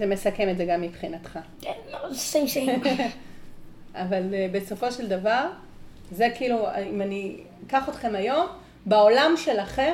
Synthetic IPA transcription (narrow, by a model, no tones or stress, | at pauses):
zeme̞sakemetzeɡamːipχinat̪χa | enloseʃe | avalbe̞so̞fo̞ʃeld̪avaʁ | zekiːluimani | kaχot̪χe̞majo̞m | beo̞lamʃe̞laχe̞